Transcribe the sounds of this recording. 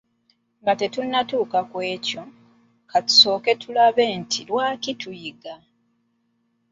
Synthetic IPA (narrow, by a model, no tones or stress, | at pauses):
ŋɡatetunːatuːkakwe̞ːco̞ | katu̥so̞ːke̞tulaβe̞ːntʰilwaːkitujiɡa